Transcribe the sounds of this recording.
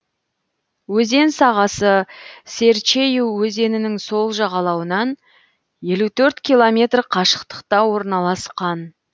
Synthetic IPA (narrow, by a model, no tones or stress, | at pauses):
wɵze̞nsɑʁɑsəse̞ɾt͡ʃe̞juwːɵze̞nɪnɪŋso̞lˠʒɑʁɑlˠɑwənɑn | je̞lut̪ʰɵɾt̪kʲʰijlˠo̞mʲe̞t̪rqʰɑʃə̥qt̪ə̥qt̪ɑwo̞ɾnɑlˠɑsqɑn